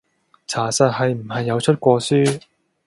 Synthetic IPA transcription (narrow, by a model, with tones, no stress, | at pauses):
t͡sʰaː˨˩sɐ˨t̚hɐ˨jm̩˨˩ɦɐ˨jːɐ˨˧wt͡ʃʰɵ˥t̚kʷɔː˧syː˥